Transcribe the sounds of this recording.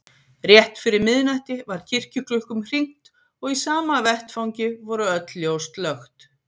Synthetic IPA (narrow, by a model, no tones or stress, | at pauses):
rjɛht̪fɪɾɪɾmɪðnajht̪ɪvaɾ̥cʰɪr̥cʏklʏlkʏmr̥iŋ̥t̪ | ɔɣisaːmavɛht̪fawɲcɪvɔɾʏœt̪ljowst̪lœxt̪